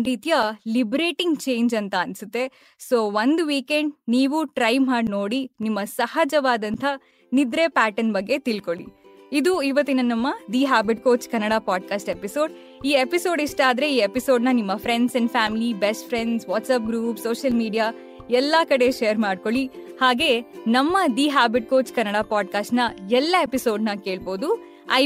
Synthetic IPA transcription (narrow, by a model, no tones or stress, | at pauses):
ɾiːt̪ijɐlibɾeːʈiŋɡt͡ʃeːjɲd͡ʒɐnt̪ɐːnsut̪ːe̞ | soːʋɐnd̪ʋiːkeɳɖniːʋuʈɾɐjmaːɽno̞ːɽinimːɐsɐhɐd͡ʒɐʋaːd̪ɐnt̪ʰɐ | nid̪ɾe̞pæːʈɐnbɐɡːe̞t̪ilko̞ɭḭ | id̪uiʋɐt̪ːinɐnɐmːɐd̪iːɦaːbiʈkoːt͡ʃkɐnːɐɽapaːɖkaːsʈepisoːɖ | iːepiso̞ːɖiʂʈaːd̪ɾe̞iːepiso̞ːɖnɐnimːɐpʰɾeɳɖseɳɖpʰaːmilibesʈpʰɾeɳɖsʋaːʈsɐp̚ɡɾuːpsoːʃɐlmiːɖijaː | ɛlːɐkɐɽe̞ʃejɐɾmaːɖ̚ko̞ɭihaːɡe̞ːnɐmːɐd̪iːɦaːbiʈ̚koːt͡ʃkɐnːɐɽaːpaːɖkaːsʈnɐɛlːɐepisoːɖnɐke̞ːɭboːd̪u | ɐ̰